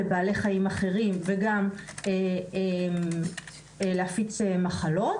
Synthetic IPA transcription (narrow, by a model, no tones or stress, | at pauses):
baːle̞χajimaχe̞ʁimveɡameem | leafit͡semaχalo̞t